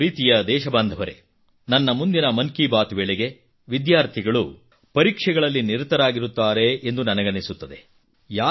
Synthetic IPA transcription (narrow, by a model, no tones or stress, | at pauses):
ɾiːt̪ijɐd̪ɛːʃɐbɐnd̪ʱɐʋɐɾe̞̰ | nɐnːɐmund̪inɐmɐnkibaːt̪uʋɛɭɛɡe̞ | ʋid̪jaːɾt̪ʰiɡɐɭu | pɐɾiːkʂɛɡɐɭɐlːiniɾut̪ːɐɾaːɡiɾut̪ːaːɾe̞ːnd̪unɐnɐɡɐnesut̪ːɐd̪e̞ | jaː